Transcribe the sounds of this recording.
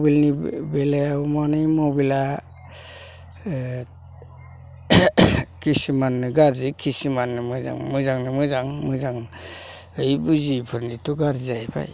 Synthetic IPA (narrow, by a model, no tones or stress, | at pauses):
bilnibelajamanɯjmɔwbila | kʰisimanːɯɡaɾzikʰisimanːɯmɯza̰ŋmɯzaŋnɯmɯzaŋmɯzaŋ | ɯjbuzipʰɯɾnituɡaɾzajba̰j